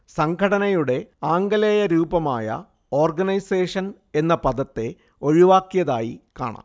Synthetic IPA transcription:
sɐŋkʰɐɽɐnɐjuɽe̞aːŋɡɐlɐjɐɾuːbɐmaːjɐ̰ | o̞ːrɡɐnɐjseːʂɐn | e̞nːɐpɐd̪ɐt̪ːe̞ | o̞ɻiʋaːkːjɐða̰ːjika̰ːɳa̰m

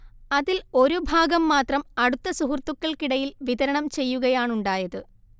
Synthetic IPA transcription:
ɐðilo̞ɾubʱaːɡɐmːaːt̪rɐmɐɽut̪ːɐsuɦurt̪ːukːɐɭkiɽɐjilʋiðɐɾɐɳɐmt͡ɕe̞jːuɣɐjaːɳuɳɖaːjɐðɨ

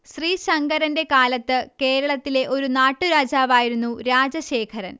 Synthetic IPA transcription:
ɕriːɕɐŋɡɐɾɐnde̞kaːlɐt̪ːɨke̞ːɾɐɭɐt̪ːile̞ʔo̞ɾunaːʈːuɾaːd͡ʑaːʋaːjiɾunːuɾaːd͡ʑɐɕe̞ːkʰɐɾɐ̰n

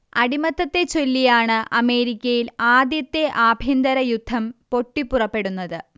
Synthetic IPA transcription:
ɐɽimɐt̪ːɐt̪ːe̞t͡ɕo̞lːijaːɳɨʔɐme̞ːɾikʲːɐjilaːd̪jɐt̪ːe̞ʔaːbʱind̪ɐɾɐjud̪ʱːɐmpo̞ʈːipːurɐpːe̞ɽunːɐðɨ

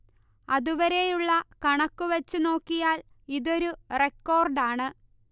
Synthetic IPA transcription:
ɐðuʋɐɾe̞juɭːɐkɐɳɐkːuʋɐt͡ɕːuno̞ːkːijaːl | iðo̞ɾure̞kːo̞ːrɖaːɳɨ

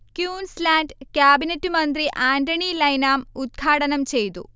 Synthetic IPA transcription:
kjuːnslaːnɖkjaːbinɐtːɨmɐnd̪riʔaːndɐɳilɐjnaːmud̪̚ɡʰʱaːɽɐnɐmt͡ɕe̞jt̪ṵ

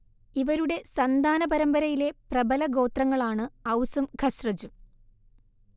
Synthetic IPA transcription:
iʋɐɾuɽe̞sɐnd̪ʱaːnɐbɐɾɐmbɐɾɐjile̞prɐbɐlɐɡo̞ːt̪rɐŋːɐɭaːɳɨɐwsɐmɡʱɐɕrɐd͡ʑu

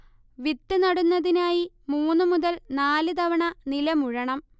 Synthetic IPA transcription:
ʋit̪ːɨnɐɽunːɐðinaːji | muːnːɨmuðɐlnaːlɨd̪ɐʋɐɳɐnilɐmuɻɐɳɐm

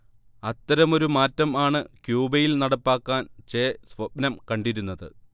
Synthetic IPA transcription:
ɐt̪ːɐɾɐmo̞ɾumaːtːɐmaːɳɨkjuːbɐjilnɐɽɐpːaːkːaːnt͡ɕeːsʋɐpnɐmkɐɳɖiɾunːɐðɨ̰

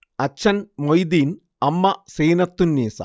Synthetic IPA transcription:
ɐt͡ɕʰːɐnmojd̪iːn | ɐmːɐseːnɐt̪ːunːiːsɐ̰

